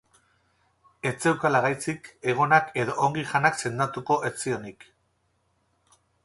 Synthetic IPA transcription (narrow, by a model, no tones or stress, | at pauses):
e̞t͡se̞wkalaɣajt͡sike̞ɣ̞o̞nake̞ðo̞ʔːŋɡiʝanakse̞nd̪at̪uko̞ʔe̞t͡sio̞nik